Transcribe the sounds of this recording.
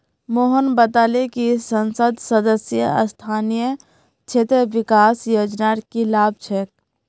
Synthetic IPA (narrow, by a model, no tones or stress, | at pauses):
moɦənbət̪alekisənsəd̪səd̪əsjə̰ə̰st̪ʰaːnijə | t͡ʃʰet̪ɾəʋikaːsjod͡ʒnaɾkilaːb̚ʱt͡ʃʰek̚